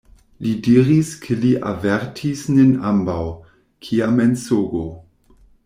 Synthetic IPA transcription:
lidiɾiskʰeliʔa̰veɾtʰisninambaw | kʰiamensoɡo

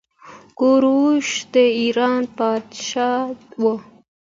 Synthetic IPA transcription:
koɾuʃd̪əiɾɑːnpɑːd̪ʃɑwo

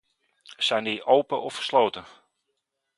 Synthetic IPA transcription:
sɛjndiʔowpəʔɔfə̥slowtə

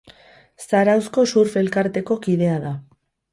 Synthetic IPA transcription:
saɾawsko̞suɾfe̞lkaɾt̪e̞ko̞kið̞e̞aða

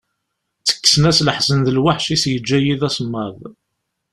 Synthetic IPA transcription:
t͡sːə̥kːə̥snæsləħsənðəlwaħʃisjəd͡ʒːæjiðæsmːɑðˤ

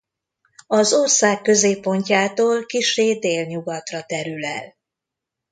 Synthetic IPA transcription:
ɒzo̞rsaːkːø̞zeːpːo̞ɲcaːt̪oːlkiʃeːd̪eːlɲuɡɒt̪rɒt̪ɛɾylɛ̰l

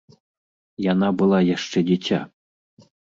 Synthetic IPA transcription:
janabɨlˠajaʂt͡ʂɛdʲitʲa̰

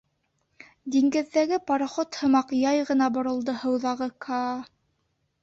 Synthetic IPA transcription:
d̪iŋɡɘ̆ðːæɡɘpɑɾɑχot̪hɤ̆mɑqjɑjʁɤ̆nɑbŏɾɤ̆lˠd̪ohɤ̆wðɑʁɤkʰɑ

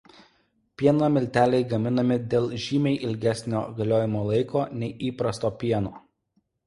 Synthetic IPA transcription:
pʲiɛnɐmʲɪlʲt̪ʲæːlʲɛɪɡɐmʲɪnɐmʲɪd̪ʲeːlˠʒʲiːmʲɛɪʔɪlʲɡʲæsʲnʲo̰ːɡɐlʲoːjɪmoːlˠɐɪkoːnʲɛɪʔiːpɾɐst̪oːpʲiɛnoː

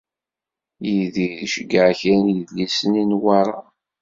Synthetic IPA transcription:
jiðiðʃəɡəʕçænjəðlisəninwɑɾˤɑ

